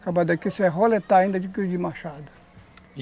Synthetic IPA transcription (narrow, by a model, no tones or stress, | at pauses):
kabad̪ɐkisɛɦolet̪aĩnd̪ɐd͡ʒikid͡ʒimaʃad̪ɐ̥